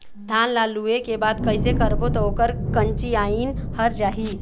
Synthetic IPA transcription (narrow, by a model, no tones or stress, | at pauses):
d̪ʱaːnlaːluekebaːd̪kəɪsekəɾbot̪oɦokəɾkə̃nt͡ʃiaːinhəɾd͡ʒaːɦiː